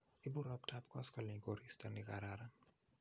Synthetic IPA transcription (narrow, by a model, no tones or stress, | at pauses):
ibuɾɔptʰapkaskaliɡɔɾistɛniɣaɾaɾa